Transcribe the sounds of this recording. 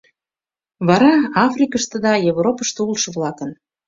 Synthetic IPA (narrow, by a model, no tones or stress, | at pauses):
βɑɾɑɑfrʲikəʃt̪əd̪ɑjevropəʃt̪ulˠʃə̆βlɑkə̆n